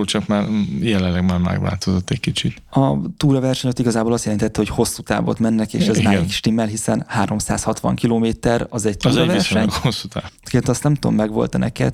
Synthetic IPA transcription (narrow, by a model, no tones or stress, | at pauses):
ot͡ʃɒkmaːrjɛlɛlɛɡmaːrmɛ̰ɡʋa̰ːlt̪o̞zo̞t̪ːɛckit͡ʃit̪ɒt̪uːɾɒvɛrʃɛɲot̪iɡɒzaːboːlɒst̪jɛlɛnt̪ɛt̪ːɛho̞cho̞sːut̪a̰ːvo̰ːt̪mɛnːɛkḛːʃɛzmaːiki̥ʃt̪imːɛlɦisɛnhaːɾo̞msa̰ːshɒt̪ʋɒ̰ŋkiloːmeːt̪ɛɾɒzɛɟt̪uːzɾɒvɛirsʃɛkosːut̪a̰ːvkeːnt̪ɒst̪nɛmt̪uo̰mːɛɡʋo̞̰lt̪nɛ̰kɛ̰t̪